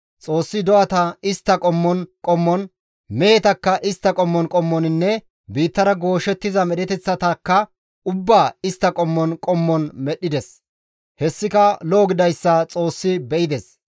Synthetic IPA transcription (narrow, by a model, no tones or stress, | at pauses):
t͡sʼo̞ːsːɪd̪ɔʔɐt̪ɐɪst̪ːɐkʼɔmːɔnkʼɔmːɔn | mɛjɛt̪ɐkːɐʔɪst̪ːɐkʼɔmːɔnkʼɔmːɔnɪnːɛ | biːt̪ːɐɾɐɡo̞ːʃɛt̪ːɪzɐmɛɗɛt̪ɛt͡sːɐt̪ɐkːɐ | ʊbːaːɪst̪ːɐkʼɔmːɔnkʼɔmːɔnmɛɗːɪd̪ɛs | hɛsːɪkɐloːɡɪd̪ɐjsːɐt͡sʼo̞ːsːɪbɛʔɪd̪ɛs